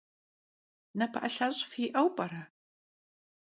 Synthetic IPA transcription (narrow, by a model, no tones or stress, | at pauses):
nɐpʰɐʔɐɬaɕʼfiʔɐwpʼɐɾɐ